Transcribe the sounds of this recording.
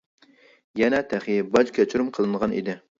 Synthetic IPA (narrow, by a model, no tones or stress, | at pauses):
jɛnɛt̪ʰæχibɑd͡ʒkʲʰɛt͡ʃʰuɾumqʰəlˠɨnəʁɑnḭd̪ɪ